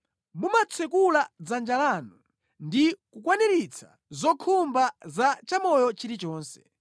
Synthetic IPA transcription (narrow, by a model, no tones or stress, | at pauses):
mumat͡sʰɛkulad͡zand͡ʒalaːnu | ndikukwanɛɾit͡sʰḁ̰ | zɔkʰumbazat͡ʃamɔjɔt͡ʃiɾit͡ʃɔːnsɛ̥